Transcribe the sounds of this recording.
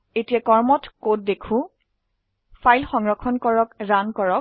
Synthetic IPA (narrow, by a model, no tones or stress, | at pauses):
etijakɔɹmɔtkot̚dekʰũ | fʰajlxɔŋɹɔkʰɔnkɔɹɔkɹankɔɹɔk̚